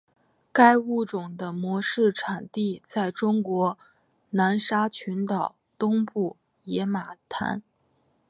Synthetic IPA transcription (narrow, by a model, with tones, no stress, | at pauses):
ka˥ɪu˥˩ʈ͡ʂʊ˨˩ŋd̪ə˦mwɔ˧˥ʂɻ̩˥˩ʈ͡ʂʰa˨˩nt̪i˥˧t͡sa˥˩ɪʈ͡ʂʊ˥ŋkwɔ˧˥ | na˧˥nʂa˥t͡ɕʰy˧˥nt̪ɑ˨˩ʊt̪ʊ˥ŋpu˥˩ | jɛ˧˥ma˨˩t̪ʰa̰˧˥n